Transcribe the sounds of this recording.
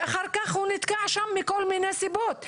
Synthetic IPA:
xaɾˤkaxʊnɪt̪kaʕaʃamːɪkolmɪnæsɪboːt̪

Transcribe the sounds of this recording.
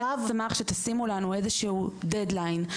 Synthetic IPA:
avamaχʃet̪asimulanue̞zeʃeud̪ed̪lajn

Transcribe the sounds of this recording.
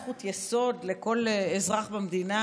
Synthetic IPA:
χut̪jeso̞dleko̞lezʁaχbamd̪ina

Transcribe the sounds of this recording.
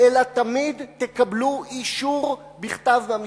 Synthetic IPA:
elat̪amid̪tekabluiʃuʁ | biχt̪avm

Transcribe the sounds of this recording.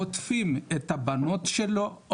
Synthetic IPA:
ot̪fimet̪habano̞t̪ʃelo

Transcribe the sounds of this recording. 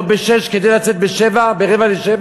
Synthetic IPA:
t̪̚beʃɛʃked̪ejlat͡sɛt̪̚beʃevabeʁevaleʃev

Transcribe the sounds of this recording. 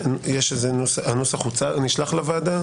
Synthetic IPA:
jeʃezenosanosaχut͡saniʃlaχlavaːd̪a

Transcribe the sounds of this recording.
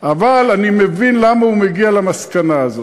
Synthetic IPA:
avalanimevinlamaumeɡialamaskanaːzo

